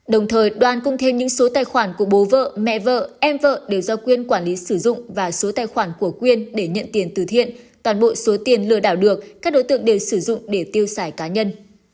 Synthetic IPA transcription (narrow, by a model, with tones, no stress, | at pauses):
ɗə˨˩wŋ͡mt̪ʰəː˨˩jɗwaː˨˧˩nkʊ˧ŋ͡mt̪ʰe˧mɲɨ̰˧˥ŋso˨˦t̪aː˨˩jxwaː˧˩nku˧˩əɓo˨˦və̰ː˧˨mɛ̰˧˨və̰ː˧˨ʔɛ˧mvə̰ː˧˨ɗe˨˩wzɔ˧kwi˧ənkwaː˧˩nli˨˦sɨ˧˩zʊ̰˧˨ŋ͡mvaː˨˩so˨˦t̪aː˨˧˩jxwaː˧˩nku˧˩əkwi˧ənɗe˧˩ɲə̰˧˨nt̪i˨˦ənt̪ɨ˨˩t̪ʰḭ˧˨ənt̪waː˨˩nɓo̰˧˨so˨˦t̪i˨˩ənlɨ˧˩əɗaː˧˩wɗɨ˨˩ək̚kaː˦˥k̚ɗo˨˦jt̪ɨ˧˨əŋɗe˨˩wsɨ˧˩zʊ̰˧˨ŋ͡mɗe˧˩t̪i˧əwsaː˧˩jkaː˨˦ɲə˧n